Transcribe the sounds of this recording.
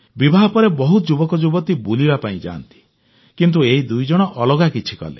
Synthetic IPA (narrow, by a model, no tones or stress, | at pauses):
bibʱaɦɔpɔɾebɔɦut̪ɔd͡ʒubɔkɔd͡ʒubɔt̪ibulibapaĩd͡ʒa̰ːnt̪i̥ | kint̪̬ueid̪ujd͡ʒɔɽ̃ɔʔɔlɔɡakit͡ʃʰi̥kɔ̰lḛ